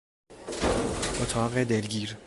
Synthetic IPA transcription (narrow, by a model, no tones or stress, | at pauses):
ʔot̪ʰɑːɣed̪elɡʲiːɾ